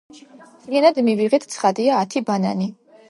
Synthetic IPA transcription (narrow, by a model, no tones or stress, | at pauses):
t̪ʰʼliɛnad̪miviʁɛt̪ʰt̪sʰχad̪iaːt̪ʰibanani